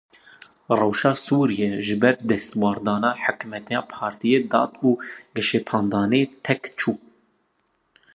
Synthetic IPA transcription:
rɛwʃɑːsuːɾijɛʒɨbɛɾd̪ɛst̪wɑːɾd̪ɑːnɑːħəkmɛt̪ʰɛjɑːpʰɑːɾt̪ijed̪ɑ̰ːt̪uːɡɛʃepʰɑːnd̪ɑːnet̪ʰɛkt͡ʃʰuː

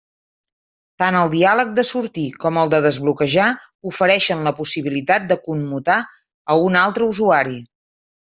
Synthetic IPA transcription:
t̪anəlˠd̪ialək̚d̪əsuɾt̪ikɔməlˠd̪əðəzβlukəʒa | ufəɾɛʃənləpusiβ̞ilit̪at̪̚d̪əkumːut̪a | əunalˠt̪ɾəuzuaɾi

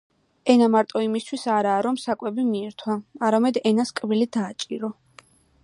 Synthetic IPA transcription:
ɛnamaɾt̪ʼɔimist̪ʰwisaɾaːɾɔmsakʼwɛbimiɛɾt̪ʰwaaɾamɛd̪ɛnaskʼbilid̪aːt͡ʃʼiɾɔ

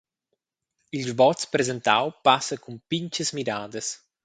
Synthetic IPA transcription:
ilzbɔt̪spɾezent̪a̰wpasɐkumpiɲt͡ʃəzmiɾaːd̪ɐs

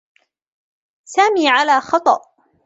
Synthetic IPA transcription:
saːmiːʕalaːxɑt̪ˤɑʔ

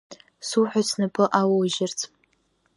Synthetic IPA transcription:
suħʷᶣasnɨpʰɨʔawawʒɪrt͡sʰ

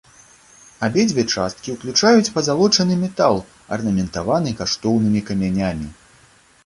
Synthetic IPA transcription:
abʲɛd͡zʲbʲɛt͡ʂa̰st̪̚kʲiwklʲut͡ʂajut͡sʲpɐzalˠɔt͡ʂɐnɨmʲɛt̪alˠ | ɐ̰rnɐmʲɛnt̪avanɨkaʂt̪ɔwnɨmʲikɐmʲanʲamʲi

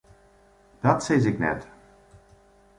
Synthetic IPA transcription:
d̥ɑtsɛjzɪknɛ̰t

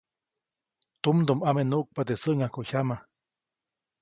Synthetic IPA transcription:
t̪umd̪umamenuʔk̚pat̪esəʔŋahkoçama

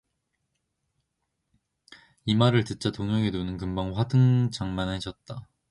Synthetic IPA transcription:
imaɾɯɭtɯt͡ɕ͈atoŋʌŋenonɯnk̬ɯmbaŋɸwadɯŋd͡ʑaŋmaned͡ʑʌt̚t͈a

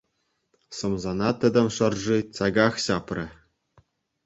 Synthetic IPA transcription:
sɤ̆mzɑnɑt̪ɘ̆d̪ɘ̆mʂɤ̆rʐit͡sɑɡɑxɕɑprʲɘ̆

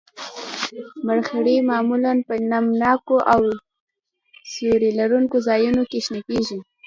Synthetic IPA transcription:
maɽxɽemɑmulanpənamnɑkoʔaw | soɾelaɾuŋkozɑjunokeʃnakeʒi

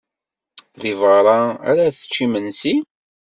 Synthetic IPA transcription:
ðivəɾˤɑæ̰ɾæθə̥t͡ʃːimənsi

